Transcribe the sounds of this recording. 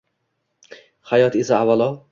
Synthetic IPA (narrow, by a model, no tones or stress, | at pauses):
χajɒt̪esaavːalˠɒ